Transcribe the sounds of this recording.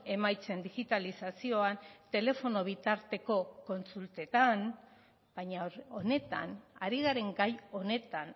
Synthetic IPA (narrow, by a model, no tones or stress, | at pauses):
e̞majt͡se̞nd̪iɣit̪alisasio̞ant̪e̞le̞fo̞no̞β̞it̪aɾt̪e̞ko̞ko̞nsult̪e̞t̪an | baɲao̞ne̞t̪a̰naɾiɣaɾe̞ŋɡajo̞ne̞t̪an